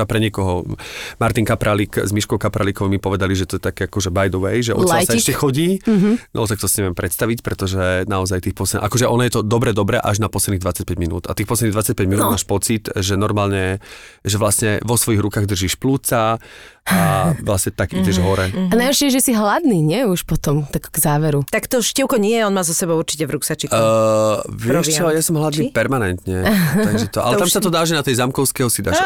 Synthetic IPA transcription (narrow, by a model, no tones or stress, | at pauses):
apɾɛɲɪɛkɔɦɔmaɾt̪iŋkapɾalikzmiʃkɔʊkapɾalikɔʋmipɔʋɛd̪aliʒɛt̪ɔjɛt̪akɛːakɔʒɛbajd̪ɔʋɛjʒɛɔ̰lt͡saasaɛʃcɛxɔɟiːɦnʔɔ̰ɔt̪ak̚t̪ɔsi̥ɲɛʋɪjɛmpɾɛt̪st̪aʋicpɾɛt̪ɔʒɛnaɔzajt̪iːxpɔsɛʔa̰kɔʒɛʔɔnɔjɛt̪ɔd̪ɔbɾɛd̪ɔbɾɛʔaʒnapɔslɛd̪niːd̪ʋat͡sac̚pɛɟminṵːd̪at̪iːxpɔs̬lɛd̪iːd̪ʋat͡sac̚pɛɟminuːd̪maːʃpɔt͡sit̪ʒɛnɔɾmaːlɲɛ | ʒɛʋlasɲɛʋɔsʋɔjiɣɾukaːɣd̪r̩ʒiːʃpluːt͡sa | aʋlasɲɛt̪aɡiɟɛʒɦɔɾɛanajɔɾʃɛjɛʒɛsiɦlad̪niːɲɪɛuʃpɔt̪ɔmt̪akɡzaːʋɛɾut̪akt̪ɔʃcɛʊkɔɲɪɛjɛɔnmaːzɔsɛbɔʊuɾt͡ʃi̥cɛvɾuksat͡ʃi | ʋɪɛʃt͡ʃɔjasɔmɦlad̪niːpɛɾmanɛnt̪ɲɛt̪aɡʒɛt̪ɔʔa̰lɛt̪amsat̪ɔd̪aːʒɛnat̪ɛjzamkɔʊskɛɦɔsid̪aːʃ